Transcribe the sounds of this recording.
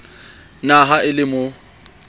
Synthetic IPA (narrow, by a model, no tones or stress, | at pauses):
naɦaɪlɪmʊ